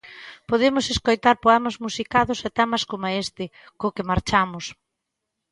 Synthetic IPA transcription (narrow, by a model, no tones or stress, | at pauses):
poðemʊseskojt̪aɾpoɛmɐzmusikaðʊsɛt̪ɛmɐskomaest̪ɪ | kokɪmaɾt͡ʃamʊs